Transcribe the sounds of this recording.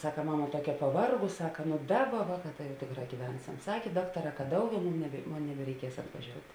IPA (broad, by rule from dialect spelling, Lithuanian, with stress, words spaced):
ˈsɑːkɐ ˈmɑːmɐ ˈtuɔkʲɛ pɐˈʋɐrɡʊs ˈsɑːkɐ ˈnʊ ˈdɑːˌbɐ ˈʋɑːˌkɑː tɐ jɛʊ ˈtʲeːkˌrɑː ɡʲiːˈʋʲɛnʲsʲɛm ˈsɑːkʲeː ˈdɑːktɐˌrɑː kɐ ˈdɐʊˌɡʲɛʊ ˈmʊm nʲɛbʲɛ ˈmoːn nʲɛbʲɛrʲɛɪˈkʲiɛs ɐtʋɐˈʒʲoːʊtʲ